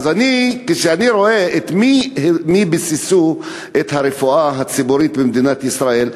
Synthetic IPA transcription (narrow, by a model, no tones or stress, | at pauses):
zanikeʃeaniɾo̞eet̪mimibisisu | ʔet̪haɾefuaɦat͡sibuɾit̪bemd̪inat̪isɾae̞l